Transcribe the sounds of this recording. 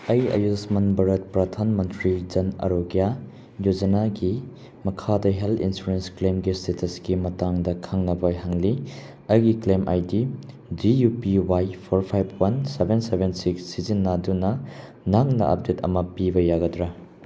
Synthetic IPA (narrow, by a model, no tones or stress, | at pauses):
ɐjɐ̰jusmɐnbɐɾɐt̚pɾɐdʱanmɐntɾid͡ʒɐnɐ̰ɾoɡija | jod͡ʒɐnaɡi | mɐkʰadɐɦeltʰḭnsuɾensklemɡistetʰɐsɡimɐtaŋdɐkʰaŋnɐbɐɦaŋli | ɐjɡiklemʔa̰jdi | d͡ʒijupiwajpʰoɾpʰajb̚ʰwɐnsebʱensebʱensikssizinːadunɐ | naŋnɐ̰ʔɐ̰p̚detɐ̰mɐpibɐjaɡɐdɾɐ